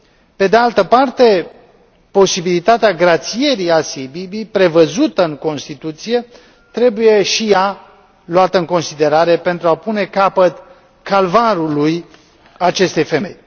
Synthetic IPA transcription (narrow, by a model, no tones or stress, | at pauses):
pe̞d̪ealt̪əpart̪e̞ | po̞sibilit̪at̪eaɡɾat̪sije̞ɾiasiejbibijpɾe̞vəzut̪əɨŋko̞nst̪it̪ut̪sije̞ | t̪ɾe̞buje̞ʃija | luat̪əɨŋko̞nsid̪e̞ɾaɾe̞pe̞nt̪ɾuapune̞kapət̪ | kalvaɾuluj | at͡ʃe̞st̪e̞jfe̞me̞j